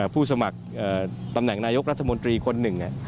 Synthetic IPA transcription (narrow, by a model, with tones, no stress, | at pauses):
pʰuː˥˩s̬a˧ma˨˩k̚ʔəː˨˩t̪a˧mnɛ˨˩ŋnaː˧jo˦˥k̚ɾa˦˥t̪ʰːa˧mo˧nt̪ɾiː˧kʰo˧nːɯ˨˩ŋʔa̰˨˩ʔ